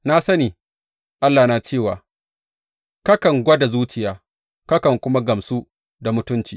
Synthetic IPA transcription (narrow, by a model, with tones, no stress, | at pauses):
na˦sɐ˦niː˨ | ʔa˦lːaː˨naː˨t͡ʃeː˦˨wa̰ː˨ | kɐ˦kɐ˨ŋɡʷɐ˦da˨zuː˦t͡ʃɪ˨jaː˨ | kɐ˦kɐ˨ŋkʷʊ˦ma˦ɡɐ˨msu˦ | da˨mʊ˦tʊ˦nt͡ʃiː˨